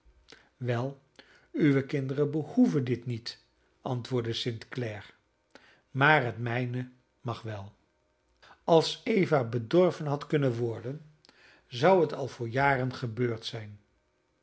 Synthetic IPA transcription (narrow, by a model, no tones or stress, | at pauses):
ʋɛlˠ | yʋəkɪndərənbəhuvəndɪtnit | ɑntʋʊːɹdəsɪntklɛɹ | maːɹɦətmɛjnə | mɑχʋɛlˠ | ɑlˠsejvabədɔɹvənɦɑtkɵnənʋɔɹdən | zʌwɦətɑlˠv̥ʊːɹjaːrənχəbøːɹtsɛjn